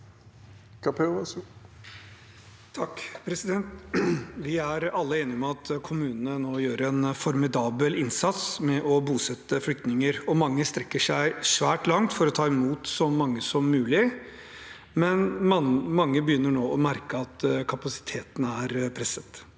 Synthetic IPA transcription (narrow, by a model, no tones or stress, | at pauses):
kʰɑpɛs | t̪ʰɑkːpʰɾɛsɪd̪ɛnt̪ʋɪæɾɑlːəeːnɪmɛɑt̪kʰʊmʉːnənənoːjøːɾɛnfɔɾmɪd̪ɑːbəlɪnsɑt̪smɛʔɔbuːsɛt̪ːəflʏkt̪nɪŋəɾɔmɑŋːəst̪ɾɛkːəʂæɪʂʋæːʈlɑŋt̪fɔɾɔt̪ʰɑːɪmuːt̪sɔmɑŋːəsɔmːʉːlɪ | mɛnmɑŋːəbəjʏnːəɳoːɔmæɾkəɑt̪kʰɑpɑsɪ̥t̪ʰeːt̪ənæɾpʰɾɛsət̪